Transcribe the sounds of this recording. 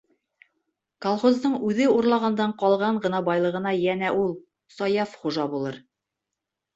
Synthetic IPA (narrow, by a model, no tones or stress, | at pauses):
kolˠχozd̪ɤɴʉðɘuɾlˠɑʁɑnd̪ɑɴqɒlˠʁɑɴɢɤ̆nɑbɑjlˠɤ̆ʁɤ̆nɑjænæʔulˠ | sɒjɑfχuʒɑbulˠɤɾ